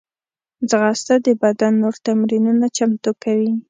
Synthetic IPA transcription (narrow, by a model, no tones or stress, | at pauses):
d͡zɣɑst̪ad̪əbad̪anːoɾt̪amɾinunat͡ʃamt̪okawi